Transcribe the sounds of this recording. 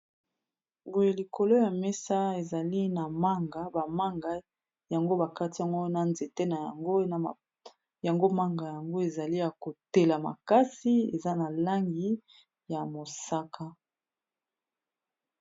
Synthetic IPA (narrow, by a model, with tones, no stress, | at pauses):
bo˨je˨li˨ko˨lo˦ja˨me˦sa˦e˨za˨li˦na˨ma˦ŋɡa˨ba˨ma˦ŋɡa˦ | ja˨ŋɡo˦ba˨ka˦ti˦ja˨ŋɡo˦na˨nze˨te˦na˨ja˨ŋɡo˦na˨ | ja˨ŋɡo˦ma˦ŋɡa˨ja˨ŋɡo˦e˨za˨li˦ja˨ko˨te˨la˨ma̰˨ka˦si˦ḛ˨za˦na˨la˦ŋɡi˦ | ja˨mo˨sa˦kʰa˦